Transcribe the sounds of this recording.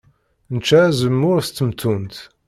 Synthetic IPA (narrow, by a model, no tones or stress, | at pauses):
nət͡ʃːæzəmːʊɾst̪ːəmt̪ʰːunt̪